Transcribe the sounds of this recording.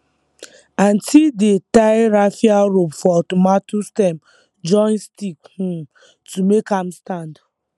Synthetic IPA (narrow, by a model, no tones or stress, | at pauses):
ãntʰildetaɪɾafiaɹopfɔtomatustɛm | d͡ʒɔ̃nstikhũ | tumekãmstãnd